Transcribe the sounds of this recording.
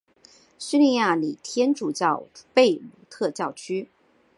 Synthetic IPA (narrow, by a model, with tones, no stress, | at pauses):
ɕy˥li˥˧ja˥˩li˨˩t̪ʰjɛ˥nʈ͡ʂu˨˩t͡ɕjɑ˥˩ʊpe˥˩ɪlu˧˥t̪ʰɤ˥˧t͡ɕjɑ˥˩ʊt͡ɕʰy˥